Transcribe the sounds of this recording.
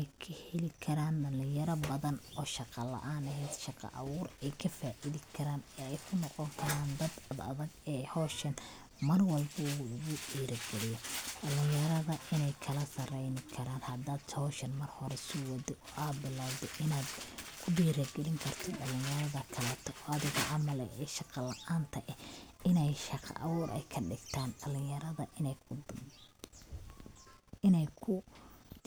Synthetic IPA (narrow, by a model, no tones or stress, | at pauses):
ɛjkʰɐhɛlɪkʰɐɾaːnɖɐlɪ̃jɐɾɐbɐðɐnɔːʃɑqɑlɐ̰ʔaːnɐɦɛjd̪̥ʃɑqɑ̰ʔɑ̰wuːɾɛjkʰɐfaːʔɪðɪkʰɐɾaːnɛːɛjkʰʊnːɔqɔŋkʰɐɾaːnd̪ɐd̪ɐðɐ̰ðɐɡɛːhɔːʃɐn | mɐrwɐlbɐuːɣʊɖiːɾɐɡɛlɪjɔɖɐlɪjjɐɾɐðɐɪnɛjkʰɐlɐsɐrɛjnɪkʰɐɾaːnhɐd̪aːd̪hɔːʃɐnmɐrhɔɾɛsʊwɐd̪ɪʔɔʔaːd̪bɪlaːwd̪ɔʔɪnaːd̪kʰʊdiːɾɐɡɛlɪŋkʰɐrt̪ʰɔɖɐlɪnjɐɾɐðɐkʰɐlɛːt̪ʰɔʔɔɐðɪɣɔʔɐmɐlɛ̰ɛːʃɑqɑlɐʔaːnt̪ʰɐʔɛɪnɛjʃɑqʰɑ̰ʔɐwɔːɾʔɛ̰jkʰɐɖɪɡt̪ʰaːnɖɐlɪjɐɾɐðɐʔɪn | ɪnɛjkʰʊ